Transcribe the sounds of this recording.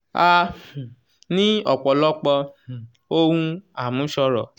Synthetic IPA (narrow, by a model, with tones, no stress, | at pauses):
a˧ | nĩ˦ɔ˨k͡pɔ˨lɔ˦k͡pɔ˧ | o˦hũ˦a˨mũ˨˦ʃɔ˧ɾɔ̰˨